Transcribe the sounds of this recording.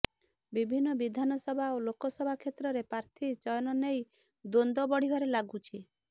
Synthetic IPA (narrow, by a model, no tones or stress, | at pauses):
bibʱinːɔbid̪ʱanɔsɔbʱaolokɔsɔbʱakʰet̪ɾɔɾepɾaɾt̪ʰit͡ʃɔjɔnɔnej | d̪ond̪ɔbɔɽ̤ibʱaɾelaɡut͡ʃʰi